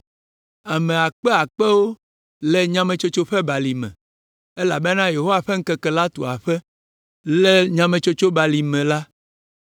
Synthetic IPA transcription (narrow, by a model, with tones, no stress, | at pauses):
a˨mɛ̃˨a˨k͡pɛ˦a˨k͡pɛ˦wo˦ | lɛ˦ɲã˦mɛ̃˨t͡ʃo˦t͡ʃo˦ɸɛ˦ba˨li˨mɛ̰̃˨ | e˦la˨bɛ˦nã˦je˨ɦo˦a˨ɸɛ˦ŋ̩˦kɛ˦kɛ˨la˦t̪o˨a˨ɸɛ˦ | lɛ˦ɲã˦mɛ̃˨t͡ʃo˦t͡ʃo˦ba˨li˨mɛ̃˨la˦